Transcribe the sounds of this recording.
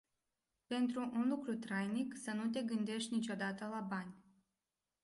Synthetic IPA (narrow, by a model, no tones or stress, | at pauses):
pe̞nt̪ɾuʔunlukɾut̪ɾajniksənut̪e̞ɡɨnd̪e̞ʃt̪ʲnit͡ʃʲo̞d̪at̪əlabanʲ